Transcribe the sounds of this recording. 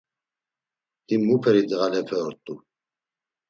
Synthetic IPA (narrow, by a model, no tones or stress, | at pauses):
d̪̥imupʰɛɾid̪ɣalɛpʰɛɔɾt̪ʼu